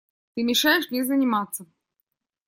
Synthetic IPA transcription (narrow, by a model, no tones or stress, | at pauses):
t̪ɨmʲɪʂajɪʂnʲɪzənʲɪmat̪sːə